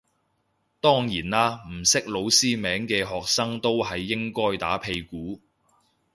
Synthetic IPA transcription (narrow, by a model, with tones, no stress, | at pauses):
t̪ɔː˥ŋjiː˨˩naː˥m̩˨˩sɪ˥k̚lo˨˧wsiː˥mɛː˨˥ŋkɛː˧ɦɔː˨k̚sɐ˥ŋt̪o˥whɐ˨jːɪ˥ŋkɔː˥jt̪a̰ː˨˥pʰe˧jkuː˨˥